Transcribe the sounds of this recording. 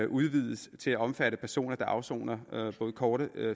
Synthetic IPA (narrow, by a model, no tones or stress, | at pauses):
ʔuðˠʋið̞ˠəst͡sʰe̝læɒ̽mfæɾ̥əpʰæɐso̝̰ːnɐd̥ɑ̈ʔɑ̈ʊso̝̰ːnɐb̥ɔ̽ːð̞̩ˠkʰɒːɾ̥ə